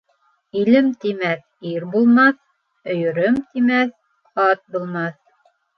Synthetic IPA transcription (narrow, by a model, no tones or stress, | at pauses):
ilɘmt̪imæθ | iɾbulˠmɑθ | ɵ̆jɵ̆ɾɵmt̪imæθ | ɑt̪̚bulˠmɑθ